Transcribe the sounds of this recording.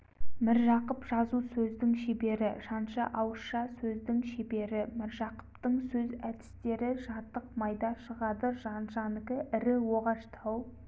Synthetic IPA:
mɪɾʒɑqəpʒɑzusɵzd̪ɪŋʃebe̞ɾɪʒɑnʃɑ̰ʔɑwəʃɑsɵzd̪ɪŋʃebe̞ɾɪmɪɾʒɑqə̥pt̪əɴsɵzæd̪ɪ̥st̪e̞ɾɪʒɑt̪ːəqmɑjd̪ɑʃəʁɑd̪əʒɑnʒɑnəkʲɪʔɪɾɪwoʁɑʃt̪ʰɑw

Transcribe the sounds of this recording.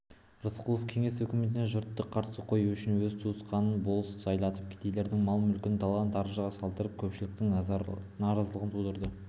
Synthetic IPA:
rəsqʰulˠofkʲʰeŋe̞sɵkʲɪme̞t̪ɪneʒʊɾt̪ːəqʰːɑɾt̪əsəqʰo̞juʏʃɪnwɵzt̪ʰuəsqɑnənbo̞lˠəssɑjlˠɑt̪əp̚kʲʰe̥t̪ejle̞ɾd̪ɪŋmɑlˠəmʏlkʲɪnt̪ʰɑlˠɑnt̪ɑɾəʒəʁɑsɑlˠd̪əɾəp̚kʲʰɵpʃɪlɪk̚t̪ɪŋnɑɾɑzəlˠəʁənt̪ʰud̪əɾd̪ə

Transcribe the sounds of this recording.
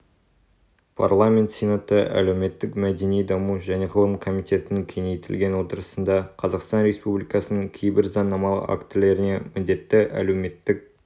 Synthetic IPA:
pʰa̰rlˠamʲe̞nt̪sʲenat̪əʔæ̰lewme̞t̪ːɪkmæd̪e̞nijd̪ɑmuʒæne̞qʰəlˠəmkʰo̞mijt̪e̞t̪ɪnŋkʲʰe̞nejt̪ʰɪ̰lɡʲe̞nwo̞t̪əɾəsənd̪ɑqʰɑzɑqst̪ɑnɾe̞spublijkɑsənəŋkʲʰe̞jbɪɾzɑnːɑmɑlˠə̰a̰kt̪ɪle̞ɾɪne̞mɪnd̪e̞t̪ːɪʔæ̰le̞wme̞t̪ːɪk̚

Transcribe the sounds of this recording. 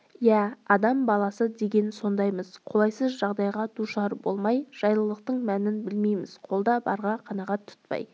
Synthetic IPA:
jæɑd̪ɑmbɑlˠɑsəd̪e̞ɡʲe̞nso̞nd̪ɑjməz̥qʰo̞lˠɑjsəzʒɑʁd̪ɑjʁɑd̪uʃɑɾbolˠmɑjʒ̥ɑjlˠəlˠəq̚t̪əɴmænɪnbɪlmejmɪz̥qʰo̞lˠd̪ɑbɑ̰ɾʁɑqʰɑnɑʁɑt̪ʰʊ̥t̪̚pɑ̰j

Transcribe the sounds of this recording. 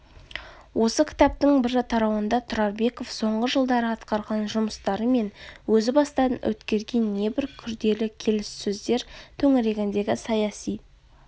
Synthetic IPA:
wʔo̞səkʲʰɪ̥t̪ɑp̚t̪əŋbɪɾt̪ʰɑɾɑwənd̪ɑt̪ʰʊɾɑɾbe̞ko̞fso̞ɴʁəʒəlˠd̪ɑɾəɑt̪qɑɾʁɑnʒʊməst̪ɑɾəme̞nwɵzɪbɑst̪ɑənwɵ̰t̪kʲe̞ɾɡʲe̞nːe̞bɪɾkʲʰʏɾd̪e̞lɪkʲʰe̞lɪsːɵzd̪e̞ɾt̪ʰɵŋɪɾe̞ɡʲɪnd̪e̞ɡʲɪsɑjɑsij

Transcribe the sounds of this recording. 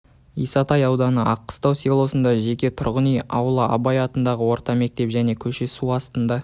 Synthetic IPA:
ijsɑt̪ɑjɑwd̪ɑnəʔɑqːə̥st̪ɑwsilˠo̞sənd̪ɑʒe̞kʲe̞t̪ʰʊɾʁənijɑwlˠəɑ̰bɑjɑt̪ənd̪ɑʁəwo̞ɾt̪ɑme̞k̚t̪e̞pʒæne̞kʲʰɵʃe̞suɑst̪ənd̪ɑ

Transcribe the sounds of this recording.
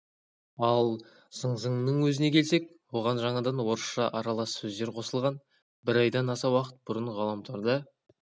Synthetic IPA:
ɑlˠ | səɴzəɴnəɴwɵzɪne̞kʲʰelse̞k̚ | woʁɑnʒɑɴɑd̪ɑnwo̞ɾəʃʃɑʔɑɾɑlˠɑsːɵzd̪e̞ɾqʰo̞səlˠʁɑn | bɪɾɑjd̪ɑnɑsɑwɑqə̥t̪̚bʊɾəɴʁɑlˠɑmt̪ʰoɾd̪ə

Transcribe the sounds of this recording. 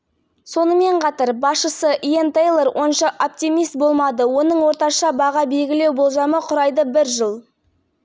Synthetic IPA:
so̞nəme̞ɴqʰɑt̪əɾbɑsʃəsəʔijent̪ejlˠeɾwʔo̞nʃɑʔop̚t̪imijst̪̚bo̞lˠmɑd̪əwo̞nəɴwo̞ɾt̪ɑʃɑbɑʁɑbe̞lɡʲɪle̞wbolˠʒɑməqʰʊɾɑjd̪əbɪɾʒəlˠ

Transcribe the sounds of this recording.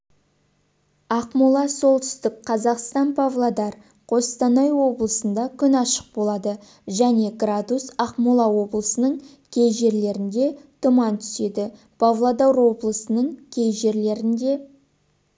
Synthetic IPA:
ɑqmulˠɑso̞lˠt̪ʰʏ̥st̪ɪkqʰɑzɑqst̪ɑnpʰavlˠad̪ɑɾ | qʰo̞st̪ɑnɑjwo̞blˠəsənd̪ɑkʲʰʏnɑʃə̥q̚bo̞lˠɑd̪ə | ʒæne̞ɡrad̪usɑqmulˠɑwo̞blˠəsənəɴ | kʲʰe̞jʒe̞ɾle̞ɾɪnd̪e̞t̪ʰʊmɑnt̪ʰʏ̥se̞d̪ɪ | pʰavlˠad̪awɾwo̞blˠəsənəɴkʲʰe̞jʒe̞ɾle̞ɾɪnd̪e̞

